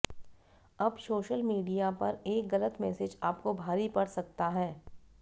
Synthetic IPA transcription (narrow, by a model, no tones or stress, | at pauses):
ɐbsoːʃəlmiːɖijapɐɾeːkɣɐlət̪mɛːsɪd͡ʒaːpkobʱaːɾipɐɽsɐk̚t̪aɦɛː